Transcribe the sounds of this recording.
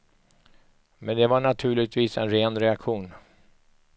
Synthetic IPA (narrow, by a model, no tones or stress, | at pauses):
mɛnd̪ɛvaɳat̪ʰʉ̟ːɭɪt̪viːsɛnɾeːnɾɛakɧuːn